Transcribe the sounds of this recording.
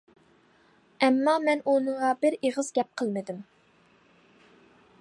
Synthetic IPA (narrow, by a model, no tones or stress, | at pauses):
ɛmːɑmɛnunɨŋʁɑbɪɾeʁəzɡʲɛp̚qʰəlˠmɪd̪ɪm